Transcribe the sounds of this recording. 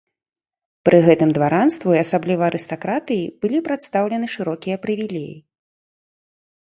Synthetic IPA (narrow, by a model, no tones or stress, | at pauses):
pɾʔɨɣɛt̪ɨmd̪vaɾanst̪vuiasablʲivɐːɾʔɨst̪akɾat̪ɨjib̥ɨlʲipɾat̪st̪awlʲɛnɨʂɨɾɔkʲijɐpɾɨvʲilʲɛjḭ